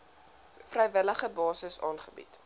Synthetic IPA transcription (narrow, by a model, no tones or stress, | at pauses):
frɛjvələχəbɑːsəsɑːnχəbḭt